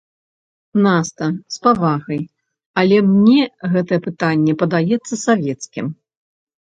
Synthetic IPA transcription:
nast̪ɐspavaɣɐj | ɐlʲɛmnʲɛɣɛt̪ɐjɛpɨt̪anʲːɛpɐd̪ajɛt̪sːɐsavʲɛt̪skʲḭm

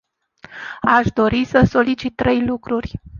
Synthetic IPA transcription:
aʃd̪o̞ɾisəso̞lit͡ʃit̪ːɾe̞jlukɾurʲ

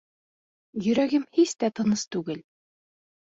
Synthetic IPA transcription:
jɵ̆ɾæɡɘmhist̪æt̪ɤ̆nɤst̪ʉɡɘl

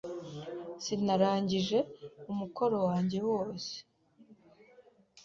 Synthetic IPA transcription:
sinaɾaːɲɟiʒe̞umukʰo̞ɾo̞waːɲɟe̞wo̞ːse̥

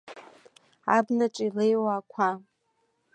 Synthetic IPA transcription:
a̰bnaʈ͡ʂʼilejwaːkʷʰa

